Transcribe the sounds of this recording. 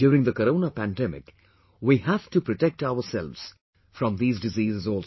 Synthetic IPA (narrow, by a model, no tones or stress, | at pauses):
juːɾɪ̃ŋd̪əkəɾõːnapæ̃nɖɛmɪ̰k | wihæv̥ʈupɾɔʈek̚ʈaʊəɾsɛ̰lʋz̥ | fɾʌ̃md̪iːzdɪziːzɪzɔːl